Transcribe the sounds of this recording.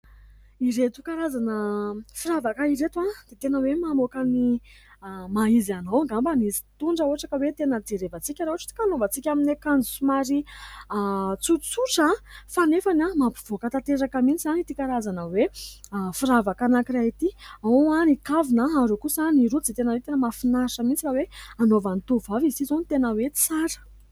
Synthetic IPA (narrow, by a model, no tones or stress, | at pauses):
iɾet̪u̥kaɾazanəfiɾavakaiɾet̪wad̪̥et̪enəwemamokəni | maizanoŋɡambanizi̥t̪uɳɖ͡ʐəoaʈ͡ʂakəwet̪enəd͡z̪eɾevət͡sikʲaɾoaʈ͡ʂi̥t̪i̥kanobət͡sikʲaminekand͡zusumaɾi | t͡suɾt͡suʈ͡ʂafanefanamapiv̥okət̪at̪eɾakəmit͡sizanit̪ikaɾazanəwe | fiɾavakanakiraɦit̪iaoanikavinaaɾokusaniɾud͡zet̪enəwet̪enəmafinaɾʂəmint͡siɾaweanovanit̪uvavizizonit̪enəwet͡saɾə̥